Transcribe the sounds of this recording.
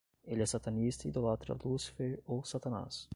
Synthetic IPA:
elʲasat̪ʰanist̪id̪olat̪ɾa̰lusfeosat̪ana̰s

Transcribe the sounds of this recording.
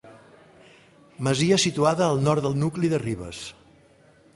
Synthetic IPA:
məziəsit̪uaðəːlˠnɔɾt̪d̪əlˠnukliðəriβə̰s

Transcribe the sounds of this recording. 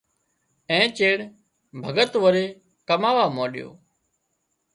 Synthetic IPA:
ɛ̃ːt͡ʃeːɽ | bʱəɡət̪ʋəɾeː | kəmaːʋaːmoːɗɪjo̰ː

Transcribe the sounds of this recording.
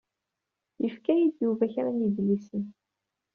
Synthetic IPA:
jəfkæjid̪juvæçɾæniðlisən

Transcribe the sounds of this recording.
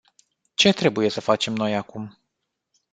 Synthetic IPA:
t͡ʃe̞t̪ɾe̞buje̞səfat͡ʃe̞mno̞jakum

